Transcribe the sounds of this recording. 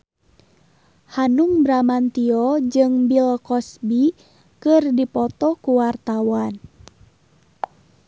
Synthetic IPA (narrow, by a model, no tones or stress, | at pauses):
hanuŋbɾamant̪iɔd͡ʒɨŋbilkɔsbi | kɨrdipɔt̪ɔkuwart̪awan